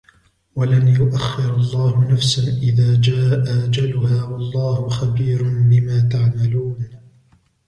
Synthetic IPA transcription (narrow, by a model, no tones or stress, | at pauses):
walanjʊʔaxːɪɾɑlˤːɑːhʊnafsaʔɪðaːd͡ʒaːʔaʔad͡ʒalʊhaːwɑlˤːɑːhʊxabiːɾʊnbɪmaːt̪aʕmaluːn